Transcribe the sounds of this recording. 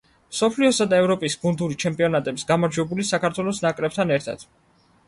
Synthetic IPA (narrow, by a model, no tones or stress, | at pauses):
msɔpʰliɔsad̪aɛvɾɔpʼisbund̪uɾit͡ʃʰɛmpʼiɔnat̪ʼɛbi̥sɡamaɾd͡ʒwɛbulisakʰaɾt̪ʰwɛlˠɔsnakʼɾɛb̚t̪ʰanɛɾt̪ʰa̰d̪̥